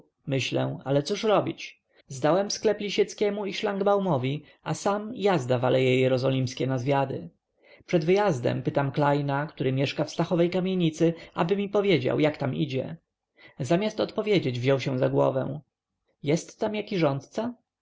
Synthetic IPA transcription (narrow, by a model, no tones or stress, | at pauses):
mɘɕlɛ̰̃a̰lɛt̪suʂɾɔbʲit͡ɕ | zd̪awɛmsklɛplʲiɕɛt̪skʲɛmuiʂlaŋɡbawmɔvʲi | asamjazd̪avalɛjɛjɛɾɔzɔlʲimskʲɛnazvʲjad̪ɘ | pʂɛd̪vɘjazd̪ɛ̰mpɘt̪amklajnakt̪uɾɘmʲjɛʂkafst̪axɔvɛjkamʲjeɲit̪sɘʔa̰bɘmʲipɔvʲjed͡ʑa̰wjakt̪amid͡ʑɛ̰ | zamʲjast̪ɔt̪pɔvʲjed͡ʑed͡ʑvʑɔwɕɛ̃zaɡwɔ̰vɛ̰̃ | jɛst̪ːamjakʲiʐɔnt̪t̪sa